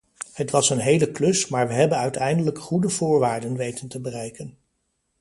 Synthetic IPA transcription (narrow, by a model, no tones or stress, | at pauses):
hətʋɑsənɦejləklɵsmaːɹʋəɦɛbənœɥtɛjndələkχudəvʊːɹʋaːɹdənʋejtəntəbərɛjkən